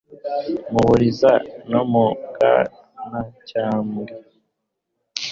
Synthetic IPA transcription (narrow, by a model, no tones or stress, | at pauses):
muβuɾizanomuɡa̰ | nacaːmɡe